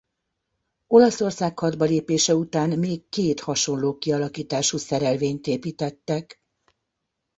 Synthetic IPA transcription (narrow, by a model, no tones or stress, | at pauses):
o̞lɒso̞rsaːkhɒd̪bɒleːpeːʃɛut̪aːnmeːkːeːt̪hɒʃo̞nloːkiɒlɒkiːt̪aːʃusɛɾɛlveːɲt̪eːpiːt̪ɛt̪ːɛk